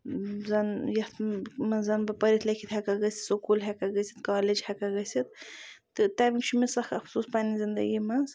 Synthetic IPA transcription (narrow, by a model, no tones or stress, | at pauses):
zɐnjɐt̪mɐzɐnbɨpɐɾʲit̪ʰlɐkʰit̪hɛkaɡɐsʲi̥sokuːlɦɛkaɡɐsʲit̪kaːled͡ʒhɛkaɡɐsʲit̪̚t̪ɨt̪aːmikt͡ʃʰumisɐxɐfsuːspaːnizind̪ɐ̰ɡimɐz